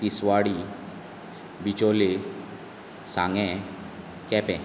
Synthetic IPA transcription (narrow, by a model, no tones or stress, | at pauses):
t̪isʋaɽi | bit͡ʃole | sãŋɡɛ̃ | kɛpɛ̃